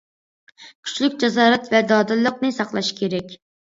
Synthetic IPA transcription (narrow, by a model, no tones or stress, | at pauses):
kʲʰy̥t͡ʃlykʲd͡ʒɑzɑːɾɛt̪vɛd̪ɑːd̪ɨlˠːəqnɨsɑqlˠɑʃkʲʰeɾɛkʲ